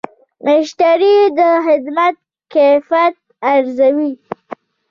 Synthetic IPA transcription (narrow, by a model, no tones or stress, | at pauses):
ɪʃt̪aɾid̪əxɪd̪mat̪̚ | kefat̪̚aɾzawi